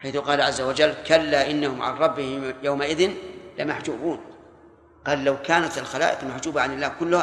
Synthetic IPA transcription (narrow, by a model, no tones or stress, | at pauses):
ħajθʊqɑːlaʕazːawad͡ʒalːkalːaʔɪnːahʊmʕa̰nɾˤɑbːɪhɪmjawmaʔɪðɪnlɪmaħd͡ʒuːbuːn | qɑːlːawkaːnat̪ɪlxala̰ːʔɪqmaħd͡ʒuːbaʕanɪlːaːhkʊlːʊha